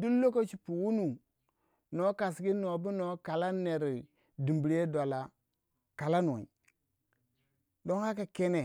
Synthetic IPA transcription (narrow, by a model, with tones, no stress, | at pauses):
du˦lo˦ko˦t͡ʃi˨pu˨wu˦nu˨ | no˨˦ka˨sɡi˦no˨bi˦no˨˦ka˨la˦nːe˨ɾi˨ | di˨mbi˨ɾje˦da˨la˨ | ka˨la˦n˨wa̰˨i˨ | do˦ŋha˦ka˨ke˦ne˨